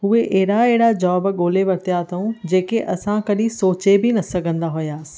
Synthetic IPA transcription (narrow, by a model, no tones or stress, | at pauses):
ɦueʔɛɦɪɽaeɦɪɽad͡ʑɔːbɠoːleʋɐɾt̪ijat̪ʰɐũd͡ʑeːkeʔɐsãkɐɗĩsoːt͡ɕebinɐsɐɡʱə̃nd̪aɦʊjaːsɪ̥̆